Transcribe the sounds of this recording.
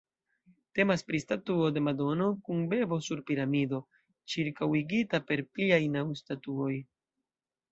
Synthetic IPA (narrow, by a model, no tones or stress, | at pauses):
te̞maspɾistatuo̞de̞mado̞no̞kunbe̞bo̞suɾpiɾamido̞ | t͡ʃiɾkawiɡitape̞ɾpliajnawstatuo̞j